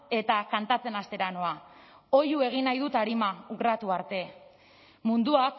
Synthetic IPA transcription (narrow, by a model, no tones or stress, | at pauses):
e̞t̪akant̪at͡se̞nast̪e̞ɾano̞a | o̞jue̞ɣ̞inajðut̪aɾimaurat̪uaɾt̪e̞ | mund̪uak